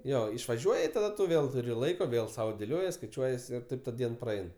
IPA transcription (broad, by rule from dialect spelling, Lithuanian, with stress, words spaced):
ˈjoː ɪʃʋɐˈʒʲuɔj ɪ tɐˈdɐ tʊ ˈʋʲeːlˠ tʊˈrʲɪ ˈlˠɐɪkoː ˈʋʲeːlˠ sɐʊ dʲeːˈlʲoːjiɛs skɐɪˈt͡ʃʲuɔjiɛs ɪr ˈtɐɪp tɐ ˈdʲiɛn prɐˈɛɪn